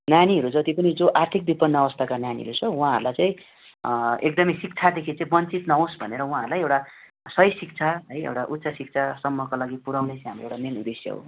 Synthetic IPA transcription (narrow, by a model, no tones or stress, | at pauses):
naniɦʌɾud͡zʌt̪ipʌnid͡zoʔart̪ʰik̚bipʌnːʌːβʌst̪ʰakananḭɦʌ̰ɾut͡sʰʌw̃ũɦãɦʌ̰ɾulajt͡saĩ | ek̚d̪ʌmisik̚t͡sʰad̪ekʰit͡saĩbʌnt͡sit̪nʌɦõsbʱʌneɾʌw̃ɦãɦʌɾlajewʈa | sʌjsik̚t͡sʰaɦʌjḛwʈaʔut̪ːsʰasik̚t͡sʰasʌmːʌkalaɡipuɾawnejt͡sajɦamroewʈamenud̪esjʌ̰ɦo̰